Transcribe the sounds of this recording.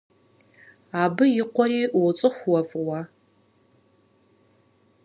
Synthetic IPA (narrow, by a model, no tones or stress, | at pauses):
aːbɨjɪqʷɔɾiːwt͡sʼɨχʷwɔfʼʁʷɐ